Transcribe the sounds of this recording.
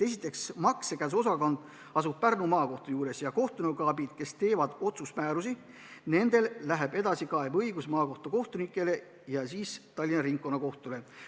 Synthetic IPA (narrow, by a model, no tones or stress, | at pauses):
e̞s̬ʲit̪ːˑe̞ksmɑksekæs̬o̞sɑko̞nd̪̥ | ɑsub̚pærnumɑːko̞ht̪ojuːɾe̞sjɑko̞ht̪unukɑːbid̪̥ke̞st̪e̞ːvɑd̪̥o̞t̪sust̪mæːɾusi | ne̞nd̪̥e̞lːæɦe̞b̥e̞d̪ɑsikɑe̞bɤjɡ̥usmɑːko̞ht̪oko̞ht̪unikːˑe̞le̞ | jɑsiːst̪ɑlʲːinɑɾiŋk̚ːo̞nːɑko̞ht̪ule̞